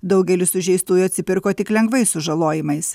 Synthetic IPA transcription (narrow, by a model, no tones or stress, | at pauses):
d̪ɒʊɡʲɛlʲɪsʊʒʲɛɪst̪uːjʊɐt̪ʲsʲɪpʲɪɾkoːt̪ʲɪklʲɛŋɡʋɐɪsʊʒɐlˠoːjɪmɐɪs